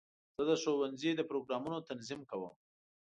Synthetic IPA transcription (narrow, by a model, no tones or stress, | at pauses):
z̥əd̪əʃowanzid̪əpɾoɡɾɑmunot̪anzimkawə̰m